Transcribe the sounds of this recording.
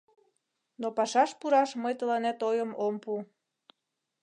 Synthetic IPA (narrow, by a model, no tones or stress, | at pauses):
nopɑʃɑʃpuɾɑʃməjt̪əlɑnet̪ojəmompu